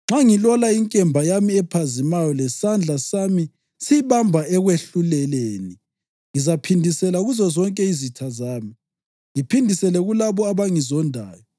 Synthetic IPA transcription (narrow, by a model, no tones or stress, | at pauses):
ŋ͡ǁaŋilɔlaiŋkʼɛmbʱajamiɛpʰazimajɔlɛsand͡ɮʱasami | siβambʱaɛɣweɬulɛleːni | ŋizapʰindʱisɛlauɣuzɔzɔŋkʼɛizitʰazaːmi | ŋipʰindʱisɛlɛɣulaβɔaβaŋizɔndʱa̰ːjɔ